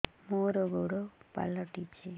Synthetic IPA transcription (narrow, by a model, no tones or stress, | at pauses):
moɾoɡoɽopa̰lɔʈipt͡ʃʰe